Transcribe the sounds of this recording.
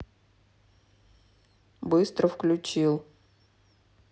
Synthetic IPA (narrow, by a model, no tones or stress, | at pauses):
bɨst̪ɾəfklʲʉt͡ɕilˠ